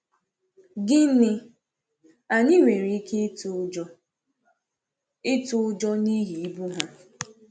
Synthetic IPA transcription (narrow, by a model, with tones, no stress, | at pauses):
ɡɪ˦nɪ˦ | a˨ɲi˦ŋʷe˨ɾi˨i˦kʰe˦ | ɪ˦tʊ˦d͡ʒɔ˦ni˦ɦi˨i˦bu˦ɦa˦